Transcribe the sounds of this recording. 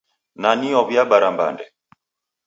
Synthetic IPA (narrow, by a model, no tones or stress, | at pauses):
naniɔβjaɓaɾamba̰ndɛ